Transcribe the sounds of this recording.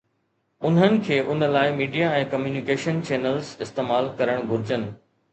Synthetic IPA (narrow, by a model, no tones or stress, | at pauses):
ʊn̤ənɪ̆kʰeːʔʊnəlaːɪmiːɖijaɛ̃ːkɐmjuːnɪkeːʃənt͡ɕeːnəlzɪst̪eːmaːlkɐɾəɽ̃ɡʱʊɾɪd͡ʑənɪ̆